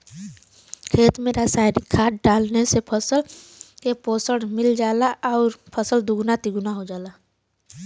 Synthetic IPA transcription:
kʰeːt̪mẽɾaːsaːɪnikʰːaːʈ̚ɖaːlnesepʰəsəlkepoːsəɽmɪld͡ʒaːlaʔɔːɾpʰəsəld̪ʊɡnat̪iɡʊnaɦod͡ʒaːla

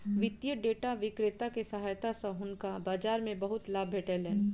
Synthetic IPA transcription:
ʋɪt̪jəɖeːʈaʋɪkɾɪt̪akesɐɦaːjt̪asɐɦʊnkabaːd͡ʒaːɾmẽbɐɦʊt̪laːbʱeːʈɛlɦɛː

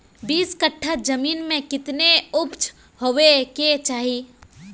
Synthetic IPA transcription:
biːskəʈʰːəd͡ʒɐmiːnmẽkɪt̪neʊpt͡ʃʰ | hoʋeket͡ʃaːɦiː

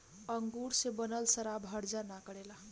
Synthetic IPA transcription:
əŋɡuɽsebənəlsəɾabʱəɽd͡zanakəɽela

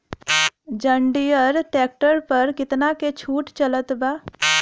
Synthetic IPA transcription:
d͡ʒə̃ɳɖijəɾʈɛːk̚ʈəɾpɐɾkɪt̪naket͡ʃʰuːʈt͡ʃɐlət̪baː

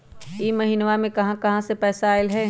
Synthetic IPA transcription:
iːmɐɦiːnʋamẽkɐɦãkɐɦãsepɛːsaːɪlɦɛ

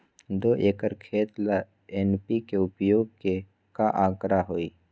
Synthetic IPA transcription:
d̪oːʔeːkəɾkʰeːt̪la | enpikeʊpjoːɡ̚ke | kaʔãːkɾaɦoːiː

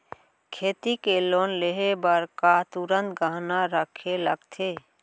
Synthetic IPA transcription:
kʰeːt̪ikelonleɦebəɾkat̪uɾənt̪ɡəɦnaɾəkʰeləɡt̪ʰe

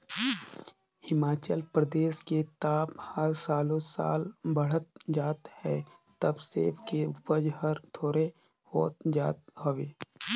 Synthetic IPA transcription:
hɪmaːt͡ʃəlpɾəd̪eːʃket̪aːphəɾsaːlõsa̰ːlbəɽ̤ət̪̚d͡ʒaːt̪hɛːt̪əbsḛːpkepəd͡ʒɦəɾt̪ʰoːɾe | hoːt̪d͡ʒaːt̪ɦoːʋeː

